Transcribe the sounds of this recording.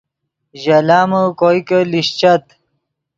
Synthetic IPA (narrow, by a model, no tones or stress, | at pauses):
ʑɐlaːməkojkəliɕt͡ɕɐt̪